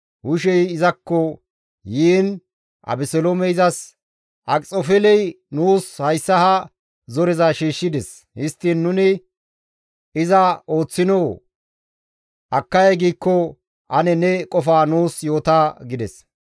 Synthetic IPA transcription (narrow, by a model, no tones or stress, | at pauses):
hʊʃ̬ɛjɪzɐkːɔ | jiːn | ʔɐ̰bɛsɛlomɛɪzɐs | ʔɐkʼt͡sʼofɛlɛj | nuːshɐjsːɐhɐ | zɔɾɛzaʃiːʃːɪd̪ɛs | hɪst̪ːinːʊnɪ | ɪzɐo̞ːt͡sːɪnoː | ʔɐkːɐjɐjɡiːkːɔ | ʔɐnɛnɛkʼɔfaːnuːsjo̞ːt̪aːɡɪd̪ɛs